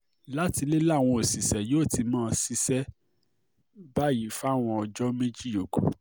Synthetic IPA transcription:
la˦ti˧le˦la˦˨w̃ɔ̃˧o˨si˨sɛ˨joː˦˨ti˧mãː˦˧si˦sɛ˦ | ba˦˨ji˨˦fa˦˨w̃ɔ̃˧ɔ˧d͡ʒɔ˦mẽ˦d͡ʒi˦jo˨ɡo˨

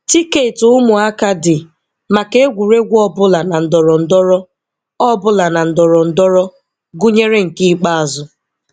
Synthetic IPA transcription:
ti˦ke˨tʊ˨ʊ˦mʊ˨a˦ka˦dɪ˨ | ma˨ke˦e˦ɡʷu˨ɾe˦ɡʷɔ˦bʊ˦la˨na˨n̩˨dɔ˨ɾɔ˨n̩˨dɔ˦ɾɔ˦ | ɔ˦bʊ˦la˨na˨n̩˨dɔ˨ɾɔ˨n̩˨dɔ˦ɾɔ˦ | ɡu˦ɲe˦ɾe˦ŋ̩˨ki˦i˦k͡pa˦a˨zʊ˨

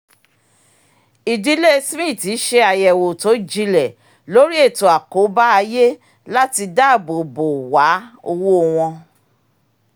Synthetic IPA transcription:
i˨di˨˦le˦˧smĩ˦˨ti˨˦ʃe˧a˨jɛ˨wo˨to˨˦d͡ʒi˧lɛ˨ | lo˨˦ɾi˦e˦˨to˨a˨ko˨˦ba˦a˧je˦ | la˦ti˧da˦˨bo˨bo˨wa˨˦o˧wo˦˧w̃ɔ̃˧

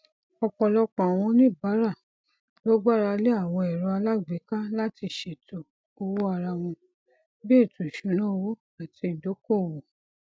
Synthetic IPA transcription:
ɔ˧k͡pɔ̃˧lɔ˦k͡pɔ̃˨a˨w̃ɔ̃˧nĩ˦˨ba˨˦ɾa˦˨ | lɔ˦ɡ͡ba˦˨ɾa˧le˦a˦˨w̃ɔ̃˧ɛ˨ɾɔ˧a˧la˦ɡ͡be˨˦ka˦la˦ti˧˨ʃe˨tʰo˨ | o˧wo˦a˧ɾa˧w̃ɔ̃˧ | bi˦e˦˨tu˨ʃũ˨˧˦nõ˦o˧wo˦ | a˦˨tʰi˧˨do˨˦ko˦˨wo˨

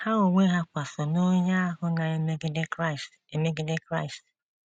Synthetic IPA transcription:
ha˦o˨ŋʷe˦ɦa˦kʷa˨sɔ˨no˦ɲa˦a˦ɦʊ˦na˨e˦me˦ɡds | e˨me˦ɡɪ˦de˦kɾa˦ɪ˨st

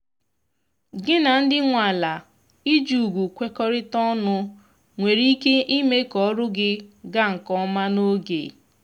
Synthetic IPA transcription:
ɡɪ˦na˨n̩˦dɪ˦ŋʷa˨la˨ | i˦d͡ʒu˨ɡʷu˨kʷe˦kɔ˦ɾɪ˦tɔ˦nʊ˦ | ŋʷe˨ɾi˦ke˦ʔi˦me˦kɔ˦ɾʊ˦ɡɪ˦ɡa˦ŋ̩˨kɔ˦ma˦no˦ɡḛ˨

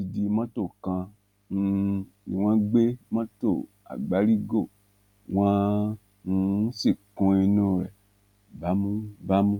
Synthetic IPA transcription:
i˧di˧mã˦to˦˨kã˧ | ḭ̃˨w̃ã˦ɡ͡be˦mã˦to˦˨ | a̰˨ɡ͡ba˨˦ɾi˦ɡo˦˨ | w̃ã˦ | ũ˧˦si˦˨kũ˧i˧nũ˧˦ɾɛ˨ | ba˨˦mũ˦ba˦mũ˦

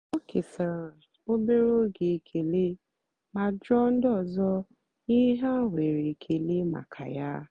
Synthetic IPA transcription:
o˦kʰe˨sa˨ɾã˨ | o˦be˦ɾo˦ɡi˨˦˨kʰe˨le˦ | mã˦dɾɔ˦n̩˦dɔ˦˨zɔ˦ | i˦ɦã˦˨we˨ɾe˨kʰe˨le˦ma̰˨kʰa̰˨ja˦

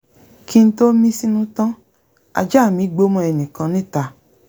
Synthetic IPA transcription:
ki˧n̩˦to˦mĩ˦si˦nũ˦tã˦ | a̰˧d͡ʒa˦˨mĩ˨˦ɡ͡bo˦mɔ̃˧ɛ˧nĩ˨kã˨˧˦nĩ˦˨ta˨

